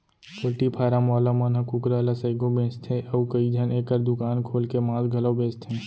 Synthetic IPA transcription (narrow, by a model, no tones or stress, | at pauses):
pʰʊɾʈipʰaːɾamɔːlamənɦɐkʊkɾalasɐɪɡõbẽːt͡ʃt̪ʰẽʔəukəid͡ʒʱəneːkəɾd̪ʊkaːnkʰoːlkemãːlɡʱɐlobẽːst̪ʰẽː